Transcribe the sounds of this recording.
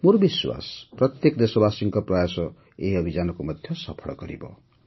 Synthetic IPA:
murbiswa̰sprʌt̪jekd̪esobasiŋkʌprajasʌ | eʌbʱid͡zanʌkomʌd̪ʱjʌsʌpʰʌɽɡʌɾḭbʌ̰

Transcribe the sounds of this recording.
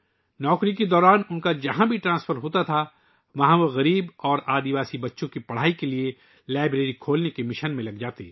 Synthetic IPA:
nɔːkɾiked̪ɔːɾaːnʊnkad͡ʒɐɦãbʱiʈɾãːsfʰəɾɦoːt̪at̪ʰa | ʋɐɦãʋoɣɐɾiːbɔːɾaːd̪iʋaːsibɐtːʃõkipɐɽ̤aːikelie | laːɪbɾeːɾikʰoːlnekemɪʃənmẽlɐɡd͡ʒaːt̪ḛː

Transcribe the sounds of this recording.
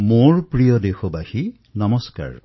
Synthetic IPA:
moɹpɾijɔd̪exɔbahi | nɔmɔska̰ɹ

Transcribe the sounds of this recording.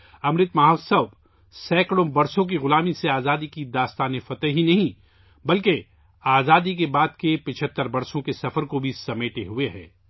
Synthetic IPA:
ɐmɾɪt̪maːɦsɐb | sɛːkɽõbɐɾsõk̬iɣʊlaːmiseaːzaːd̪ikid̪aːst̪aːnefɐt̪əɦɦinɐɦĩ | bɐlke | aːzaːd̪ik̬ebaːd̪kepɪt͡ʃʰət̪ːəɾbɐɾsõkesɐfəɾkobʱisɐmeːʈeɦueɦɛ̰̃ː

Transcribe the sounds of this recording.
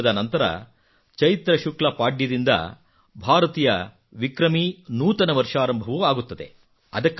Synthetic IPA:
ɐd̪ɐnɐnt̪ɐɾɐ̰ | t͡ʃɐjit̪ɾɐʃuklɐpaːɖjɐd̪ind̪ɐ̰ | bʱaːɾɐt̪iːjɐ | ʋikɾɐminuːt̪ɐnɐʋɐɾʂaːɾɐmbʱɐʋuaːɡut̪ːɐd̪e̞̰ | ɐd̪ɐkː

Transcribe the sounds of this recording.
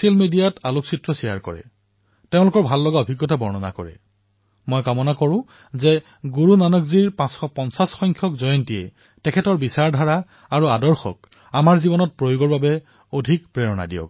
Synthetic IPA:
siɛlmidijatalʊk̚sitɹɔsija̰ɹkɔ̰ɹɛ̰ | teʊ̃lʊkɔɹbʱalːɔɡaobʱiɡːɔtabɔɹnɔna̰kɔɹɛ̰ | mɔjkamɔnakɔɹʊ̃ | zɛ | ɡuɹunanɔkziɹpãsxɔpɔnsasxɔŋkʰjɔkzɔjɔntijɛ̰ | tɛkʰɛtɔɹbisaɹdʱaɹa | aɹuadɔɹxɔ̰k̚ | amaɹzibɔnɔt̚pɹojoɡɔɹbabɛ | odʱikpɹɛɹɔna̰dḭjɔ̰k̚

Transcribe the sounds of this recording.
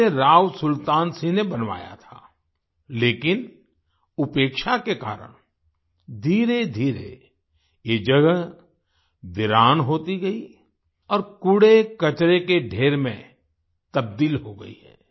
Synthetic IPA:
eɾaːwsʊlt̪aːnsĩnebɐnʋa̰ːja̰t̪ʰaː | leːkɪn | ʊpeːkʃakeka̰ːɾə̰ɽ̃ | d̪ʱiːɾed̪ʱiːɾḛ | jeːd͡ʒɐɡə | ʋɪɾaːnɦoːt̪iɡɐi | ɔːɾkʊɽekɐt͡ʃɾekeɖʱeːɾmẽ | t̪ɐb̚d̪iːlɦoɡɐ̰ḭɦɛː

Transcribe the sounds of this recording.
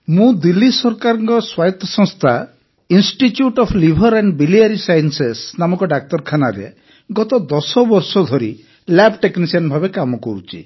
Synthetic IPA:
mũd̪ilːisɔɾkaɾɔŋkɔswajɔt̪ːɔsɔ̃ŋst̪ʰa | insʈitjuʈɔpʰlibʱɔɾɛɳɖbiliaɾisajɔnsesnamɔkɔɖak̚t̪ɔɾkʰanaɾḛ | ɡɔt̪ɔd̪ɔsɔbɔɾsɔd̪ʱɔɾi | labʈeknisianbʱabekamɔkɔɾut͡ʃʰḭ

